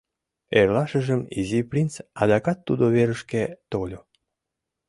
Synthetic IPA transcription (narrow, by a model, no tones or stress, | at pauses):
erlɑʃəʒəmḭziprʲint͡sɑd̪ɑkɑt̪ːud̪oβeɾəʃket̪olʲo